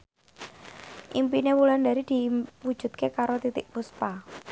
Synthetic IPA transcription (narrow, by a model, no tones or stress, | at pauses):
ʔimpinewuland̪aɾid̪̥i̤wud̥ʒ̥ṳd̪̥̚kekaɾot̪it̪ɪk̚puspa